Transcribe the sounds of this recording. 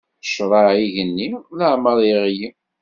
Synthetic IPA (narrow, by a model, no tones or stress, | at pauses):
ʃɾˤɑʕiʝənːiləʕməɾˤiʁji